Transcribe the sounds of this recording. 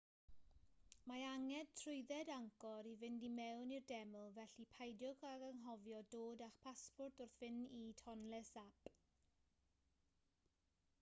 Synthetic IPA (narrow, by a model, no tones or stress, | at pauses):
maaŋɛd̚tʰrʊjðɛdaŋkɔɾivɪndimɛwnirdɛməlˠvɛɬipʰajdjʊkaɡəŋɦɔvjɔdoːdaχpʰaspʊrtʊrθvɪnitʰɔnlɛsap